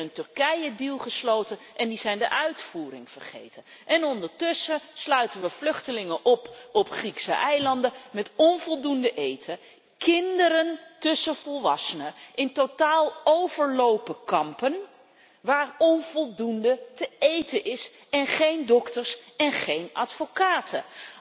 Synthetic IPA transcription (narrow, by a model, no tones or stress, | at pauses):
əntɵrkɛjədilˠχəslowtənʔɛndizɛjndəʔœɥtfuːrɪ̰ŋv̥ə̰rχḛjtən | ʔɛnɔndəɹtɵsəslœɥtənʋəv̥lɵχtəlɪŋənʔɔpɔpχriksə̰ʔɛjlɑndəmɛtɔnvɔlˠdundəʔejtʰə | kɪndəɾəntɵsəv̥ɔlˠʋɑ̰sənəʔɪntotaːlˠowvəɹlowpəkɑmpən | ʋaːɹɔnvɔlˠdundətəejtəʔɪs | ɛnχejndɔktəɹsɛnχejnʔɑ̰tfokaːtə